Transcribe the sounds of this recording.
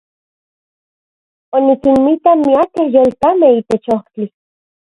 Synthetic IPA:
onikinmit̪anmiakehjoːlt̪ameit̪et͡ʃoht͡ɬi

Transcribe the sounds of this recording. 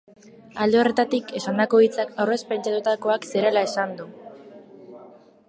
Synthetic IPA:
ald̪eo̞re̞t̪at̪ike̞sand̪ako̞ɣit͡sakawre̞spe̞nt͡ʃat̪ut̪ako̞aksiɾe̞lae̞sand̪u

